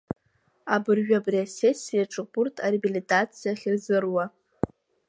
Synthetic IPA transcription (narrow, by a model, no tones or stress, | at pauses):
abɨrɥᶣabriasesʲːijaʈ͡ʂʼɨburtʰʼarebilitʼat͡sʰijaχʲɪrzɨrwa